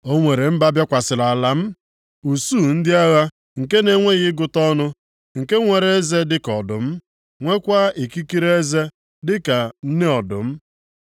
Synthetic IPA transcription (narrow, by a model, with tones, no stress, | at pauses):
o˦ŋʷe˨ɾe˨m̩˦ba˦bja˦kʷa˨sɪ˨la˨la˨m̩˦ | u˨suː˦˨n̩˦dɪ˦a˦ɣa˦ | ŋ̩˨ke˦ne˨ŋʷe˦ɣɪ˦ɡʊ˨tɔ˦nʊ˦ | ŋ̩˨ke˦ŋʷe˨ɾe˦ze˦dɪ˦kɔ˨dʊ˨m̩˦ | ŋʷe˦kʷa˦e˨ki˦ki˦ɾe˦e˦ze˦ | dɪ˦ka˨n̩˦ne˦ɔ˨dʊ̰˨m̩˦